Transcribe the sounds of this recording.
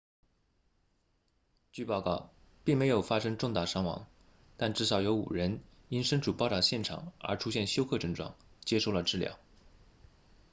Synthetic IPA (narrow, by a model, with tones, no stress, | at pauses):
t͡ɕy˥˧pɑ˥˧ʊkɑ˥˩ʊ | pi˥˩ŋme˧˥ɪjo˨˩ʊfa˥ʂɤ˥ŋʈ͡ʂʊ˥˧ŋt̪a˥˩ʂɑ˥ŋwɑ̰˧˥ŋ | t̪a˥˧nʈ͡ʂɻ̩˥˩ʂɑ˧˥ʊjo˧˥ʊṵ˨˩ɻə˧˥n | i˥nʂə˥nʈ͡ʂu˨˩pɑ˥˧ʊt̪ɑ˥˧ʊɕjɛ˥˩nʈ͡ʂʰɑ̰˨˩˦ŋə̰˞˧˥ʈ͡ʂʰu˥ɕjɛ˥˩nɕjo˥ʊkʰɤ˥˧ʈ͡ʂɤ˥˧ŋʈ͡ʂwɑ̰˥˩ŋt͡ɕjɛ˥ʂo˥˩ʊlə˩ʈ͡ʂɻ̩˥˩ljɑ̰˥˩˦ʊ